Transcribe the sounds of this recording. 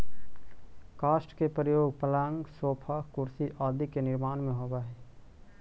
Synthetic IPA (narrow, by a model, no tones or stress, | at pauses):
kaːsʈkepɾjoːɡpəlaːŋɡsoːpʰaːkʊɾsiʔaːd̪ʱikenɪɾmaːnmẽɦoːbaːɦɛː